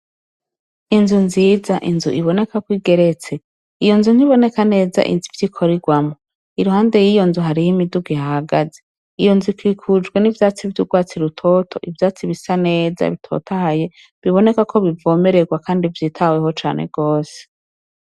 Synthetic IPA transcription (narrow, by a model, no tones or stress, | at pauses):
inzunziːzaʔinzṵʔiβo̞ne̞kakwiːɡe̞ɾe̞t͡se̞ | ijo̞nzun̥hiβo̞ne̞kane̞ːza̰ʔḭnzuvjikʰo̞ɾiɡwamo | iɾuhaːnde̞jiːjo̞nzuɦaɾihimiduɡwihaaɡaze | ijo̞nzukʰiːkʰud͡ʒɡwe̞nivjaːt͡sivtuɡwaːt͡siɾutʰo̞ːtʰo̞̰ʔivjaːt͡siβisane̞ːza̰βitʰo̞̰tahaje̞ | βiβo̞ne̞kakʰo̞βivo̞ːme̞ɾeɡwakʰaːndivjiːtʰaweho̞t͡ʃa̰ːnʔe̞̰ɡ̥o̞ːse̥